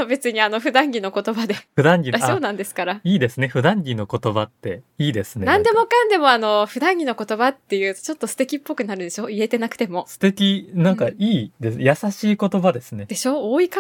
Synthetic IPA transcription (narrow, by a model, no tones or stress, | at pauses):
obe̞t͡sɨɲ̟iano̞ɸɯ̟d̪ãŋɡʲino̞ko̞t̪o̞bad̪e̞ɸɯd̪ãŋɡʲiasoːnãnd̪e̞sɨ̥kaɾaiːd̪e̞sɨne̞ɸɯ̟d̪ãŋɡʲino̞ko̞t̪o̞bat̪ːe̞iːd̪e̞sɨneãnd̪e̞mo̞kãnd̪e̞mo̞ano̞ɸɯ̟d̪ãŋɡʲino̞ko̞t̪o̞bat̪ːe̞jɯ̟ːt̪t͡ɕo̞t̪ːo̞sɨ̥t̪e̞kʲipːo̞kɯ̟naɾɯ̟d̪e̞ɕo̞ːie̞t̪e̞nakɯ̥t̪e̞mo̞sɨ̥t̪e̞kʲinãŋkaiːd̪esjasaɕiːko̞t̪o̞bad̪e̞sɨne̞d̪e̞ɕo̞ːoːika